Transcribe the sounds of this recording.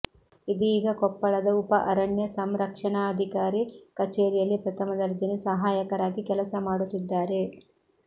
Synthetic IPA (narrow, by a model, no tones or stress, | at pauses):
id̪iiːɡɐkɔpːɐɭɐd̪ɐupɐʔɐɾɐɳjɐsɐmɾɐkʂɐɳaːɐd̪ʱikaːɾikɐt͡ʃeːɾijɐlːipɾɐt̪ʰɐmɐd̪ɐɾd͡ʒɐnisɐɦaːjɐkɐɾaːɡikɛlɐsɐmaːɽut̪ːid̪ːaːɾe̞